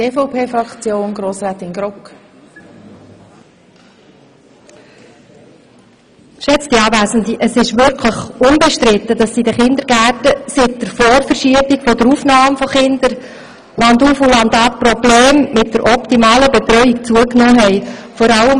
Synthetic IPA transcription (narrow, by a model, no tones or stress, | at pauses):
eːfɔʊpʰeːfɾɑkt͡sjoːnɡɾoːsɾɛːt̪ɪnɡɾɔk | ʃɛt͡sd̥iɑːvæːsəndiʔəsɪʃʋʏɾkʰləχʊnbeʃtɾɪt̪ːədɑsːidəχɪnd̪əɾɡ̥æːtəsɪt̚d̥əɾfɔːɾfəɾʃiəbikfɔdəɾuːfnɑːmfɔχɪnd̪əɾ | lɑnduːfulɑnd̪ɑp̚pɾɔbleːmmɪt̚d̥əɾʔɔpt̪imɑːləbet̪ɾœʏikt͡suəknɔːɦɛɪfɔɾɑləm